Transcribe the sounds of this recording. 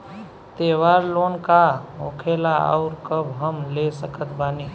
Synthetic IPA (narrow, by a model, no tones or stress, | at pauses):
t̪eːwaːɾloːnkaɦokʰelaɔ̰ʊɾkəbɦəmlesəkət̪baːni